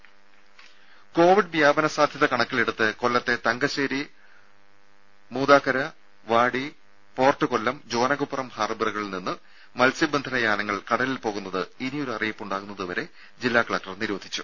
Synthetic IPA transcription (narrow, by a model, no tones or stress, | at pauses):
ko̞ːʋiɖʋjaːbɐnɐsaːd̪ʱjɐðɐkɐɳɐkːileɽut̪ːɨko̞lːɐt̪ːe̞t̪ɐŋɡɐɕeːɾi | muːd̪aːkɐɾɐ | ʋaːɽi | po̞ːrʈːɨkolːɐmd͡ʑo̞ːnɐɣupːrɐmhaːrbirɨɣɐɭilninːɨ | mɐlsibɐnd̪ʱɐnɐjaːnɐŋːɐɭkɐɽɐlilpo̞ːɣunːɐðɨinijo̞ɾuɐrijɐpːuɳɖaːɣunːɐðɨʋɐɾe̞ | d͡ʑilːaːkɐɭɐk̚ʈɐrniɾuʋɐd̪ʱi̥t͡ɕːu̥